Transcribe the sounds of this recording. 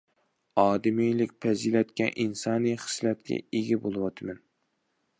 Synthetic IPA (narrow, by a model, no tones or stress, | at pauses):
ɑːd̪ɨmijlɪkʲpʰɛzilɛt̪kʲɛʔinsɑːnɨjχɨ̥slɛt̪̚kʲʰɛ̰eɡʲɛbolˠɨwɑt̪ʰɨmɛn